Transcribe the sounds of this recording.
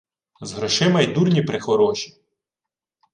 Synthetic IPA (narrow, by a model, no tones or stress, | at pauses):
zɦɾɔʃɪmɐjd̪urnʲipɾɪxɔɾɔʃi̥